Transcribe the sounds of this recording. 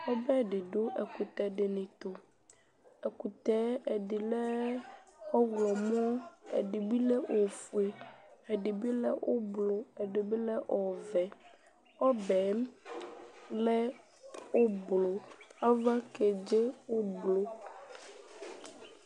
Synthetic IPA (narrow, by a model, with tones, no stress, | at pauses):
wo˦bɛ˦ɖɪ˨ɖo˦ɛ˨ku˨t̪ɛ˨ɖe˨nẽ˨t̪o˨ | ɛ˨ku˨t̪ɛ˨˦ɛ˨ɖi˨lɛ˦ | ɔ˦wlɔ˨mɔ̃˦ḛ˨ɖi˨bi˦lɛ˦ʔo˨fu˨e˨ɛ˨ɖi˨bi˦lɛ˦ʔo˦blo˨ɛ˨ɖe˨bi˦lɛ˦ʔɔ˨vɛ˨ | ɔ˦bɛ˨˦m | lɛ˦ | wo˦blo˨a˦va˦ke˨d͡ʒe˦wo˦blo˦